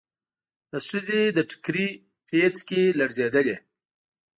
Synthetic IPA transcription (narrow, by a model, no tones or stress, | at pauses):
d̪̥əsuzed̪əʈʰɪ̥kɾi | pʰet͡skelaɽzed̪əle